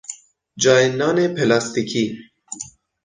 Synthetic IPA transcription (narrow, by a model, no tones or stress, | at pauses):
d͡ʒɒːenːɑːnepʰelɑst̪ikʰi